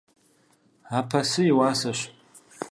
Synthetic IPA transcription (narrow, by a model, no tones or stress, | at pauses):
apʰasɨiwasaʃʷ